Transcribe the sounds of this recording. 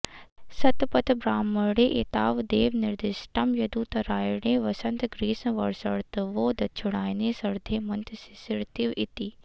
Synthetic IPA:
sɐt̪pɐt̪bɾaːmːɐɾɽeːʔet̪aːʋd̪eːʋnɪɾd̪ɪsʈɐmjɐd̪uːt̪ɐɾaːjɽeːʋɐsɐ̃nt̪ɡɾiːsʋɐ̰ɾsɐɾt̪ʋoːd̪ɐt͡ʃʰʊɽaːjnesɐɾd̪ʱeːmɐnt̪si̥sɪɾt̪iʋɪt̪iː

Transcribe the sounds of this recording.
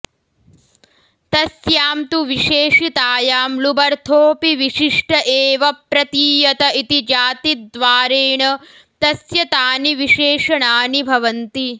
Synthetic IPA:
t̪ɐsjaːmt̪uʋiʂeːʂit̪aːjaːmlubɐɾt̪ʰoːpiʋiʂiʂʈɐʔeːʋɐpɾɐt̪iːjɐt̪ɐʔit̪id͡ʒaːt̪id̪ʋaːɾeːɳɐ | t̪ɐsjɐt̪aːniʋiʃeːʂɐɳaːnibʱɐʋɐnt̪i

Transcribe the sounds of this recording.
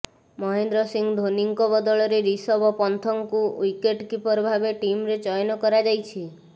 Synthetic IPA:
mɔɦend̪ɾɔsiŋɡd̪ʱoniŋkɔbɔd̪ɔɭɔɾeɾisɔbɔpɔnt̪ʰɔŋkuwikeʈkipɔɾbʱabeʈimɾed͡ʒɔjnɔkɔɾad͡ʒajt͡ʃʰi

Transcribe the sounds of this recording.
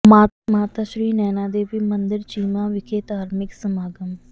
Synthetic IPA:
maːmaːt̪aːʃɾiːnɛːnaːd̪eːʋimənd̪ɪɾt͡ʃiːmãːʋɪkʰeːt̪aːɾmɪksəmaːɡəm

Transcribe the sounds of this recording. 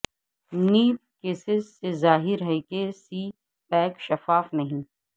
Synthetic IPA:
niːp̚keːsɪzsezaːɦɪɾɦɛkesiː | pɛ̃ːkʃɐfaːfnɐɦĩ

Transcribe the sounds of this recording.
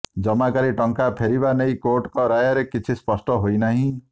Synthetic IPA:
d͡ʒɔmakaɾiʈɔŋkapʰeɾibanejkoʈkɔɾajaɾekit͡ʃʰispɔsʈɔɦojnaɦĩ

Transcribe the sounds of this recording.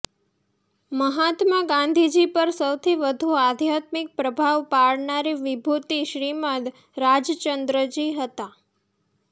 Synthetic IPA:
məɦat̪maɡãnd̪ʱid͡ʒipəɾsəwt̪ʰiʋəd̪ʱuad̪ʱjat̪mɪk̚pɾəbʱaʋpaɭnaɾiʋɪbʱut̪iʃɾimət̪ | ɾad͡ʒt͡ʃənd̪ɾəd͡ʒiɦət̪a

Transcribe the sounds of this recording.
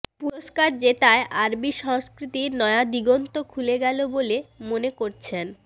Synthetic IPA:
puɾoʃkaɾd͡ʑet̪aeʔaɾbiʃɔŋskɾit̪iɾnɔead̪iɡont̪okʰuleɡɛlobolemonekoɾt͡ɕʰen

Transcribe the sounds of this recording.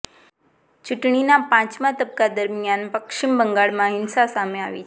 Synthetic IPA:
t͡ɕuʈɳinapãt͡ɕmat̪əb̚kad̪əɾmjanpəkʂimbəŋɡaɭmaɦinsasameaʋḭː

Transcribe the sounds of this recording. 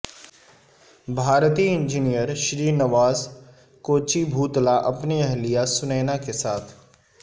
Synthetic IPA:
bʱaːɾt̪iɪ̃nd͡ʒinijəɾʃɾiːnɐʋaːz | koːt͡ʃibʱuːt̪laʔɐpniɐɦlijasʊnɛːnakesaːt̪ʰ

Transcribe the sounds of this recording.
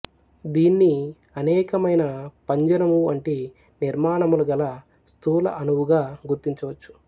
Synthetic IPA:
d̪iːnːi | ɐnɛːkɐmɐjnɐpɐɲd͡ʒɐnɐmuɐɳʈi | niɾmaːɳɐmuluɡɐlɐ | st̪ʰuːlɐ̰ʔɐnuwuɡaːɡuɾt̪iɲt͡ʃɐʋɐt͡ʃːu̥

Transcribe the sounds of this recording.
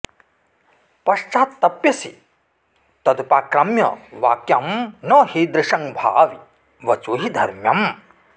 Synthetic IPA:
pɐʂt͡ʃaːt̪ːɐpjɐsḭ | t̪ɐd̪upaːkɾɐmjɐ̰ʋaːkjɐmnɐɦeːd̪ɾɪʂɐŋbʱa̰ːʋi | ʋɐt͡ʃuːɦid̪ʱɐɾmjɐm

